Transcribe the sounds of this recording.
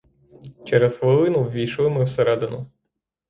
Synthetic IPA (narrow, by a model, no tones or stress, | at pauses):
t͡ʃɛɾɛzxʋɪlˠɪnʊwʋʲijʃɪlˠɪmɨwsɛɾɛd̪ɛnʊ